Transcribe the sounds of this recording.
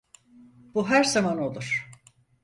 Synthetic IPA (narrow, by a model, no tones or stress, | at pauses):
b̥uɦæɾzamano̞lˠuɾ̥